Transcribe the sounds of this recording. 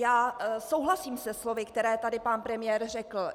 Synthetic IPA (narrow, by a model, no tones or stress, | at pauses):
jaːsowɦlasiːmsɛslo̞vɪkt̪ɛɾɛːt̪adɪpanpɾɛmɪjɛːɾr̝ɛkl̩